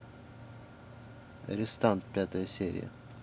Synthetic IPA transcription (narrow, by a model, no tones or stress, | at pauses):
ɾɛst̪ɑnt̪̚peːt̪əɾseːɾɪ̰ə̰